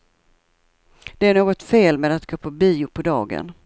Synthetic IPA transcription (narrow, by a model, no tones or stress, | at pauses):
d̪̥ɛæɳoːɡɔt̪feːlmeːd̪at̪ɡoːpʰɔbiːʊpʰɔd̪ɑːɡə̰n